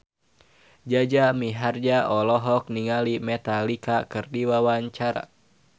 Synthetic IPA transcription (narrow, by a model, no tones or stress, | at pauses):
d͡ʒad͡ʒamiɦard͡ʒaʔɔlɔɦɔk̚niŋalimɛt̪alikakɨrdiwawaɲt͡ʃaɾa̰